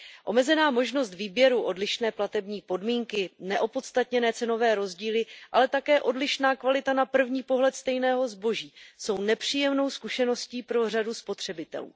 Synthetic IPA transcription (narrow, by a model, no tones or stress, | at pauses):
ʔo̞̰mɛzɛnaːmo̞ʒno̞st̪viːbjɛɾuʔo̞dlɪʃnɛːplat̪ɛbɲiːpo̞dmiːŋkɪnɛʔo̞po̞t̪st̪at̪ɲɛnɛːt͡sɛno̞vɛːɾo̞zɟiːlɪʔalɛt̪akɛːʔo̞dlɪʃnaːkvalɪt̪anapr̩vɲiːpo̞ɦlɛt̪st̪ɛjnɛːɦo̞zbo̞ʒiːso̞wnɛpr̝̥iːjɛmno̞wskuʃɛno̞sciːpɾo̞r̝aduspo̞t̪r̝̥ɛbɪt̪ɛ̰lṵː